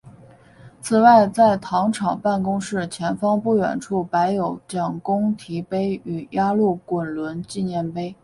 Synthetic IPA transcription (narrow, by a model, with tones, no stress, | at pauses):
t͡sʰɹ̩˨˩wa˥˩ɪt͡sa˥˩ɪt̪ʰɑ˧˥ŋʈ͡ʂʰɑ˨˩ŋpa˥˩nkʊ˥ŋʂɻ̩˥˩t͡ɕʰjɛ˧˥nfɑ˥ŋpu˥˩ɥɛ̰˨˩nʈ͡ʂʰu˥˩pa˧˥ɪjo˧˥ʊt͡ɕjɑ˨˩ŋkʊ˥ŋt̪ʰi˧˥pe˥ɪy˨˩ja˥lu˥˩kwə˨˩nlwə˧˥nt͡ɕi˥˧njɛ˥˩npe˥ɪ